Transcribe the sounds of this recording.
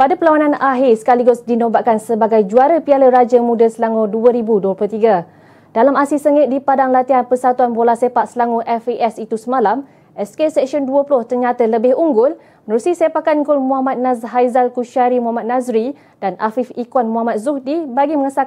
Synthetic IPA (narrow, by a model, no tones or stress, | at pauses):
padapəlawanãnaɦɪrsə̥kaliɡʊsdinõbaʔkansəbaɡajd͡ʒuaɾəpialəɾad͡ʒəmũdəsəlaŋũduəɾibuduəplot̪iɡa | d̥alamasisəŋɪt̪̚dipadaŋlat̪iɦanpərsat̪uanbolahsepaʔsəlaŋuʔɛfiʔɛsit̪usəmãlam | ʔɛskesɛksiɔnduəplʊht̪ərɲat̪ələbɪhuŋɡʊl | mənəɾusisepakanɡʊlmuɦamat̪̚nasɦajzalkuʃaɾimuɦamat̪̚nãzɾi | danʔa̰fifikwanmuamat̪̚zuhdibaɡiməŋəsa